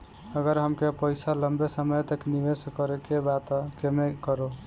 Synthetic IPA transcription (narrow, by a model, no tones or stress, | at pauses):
əɡəɾɦəmkepəjsaləmbesəməjt̪əkniʋeskəɾekebat̪kemekəɾo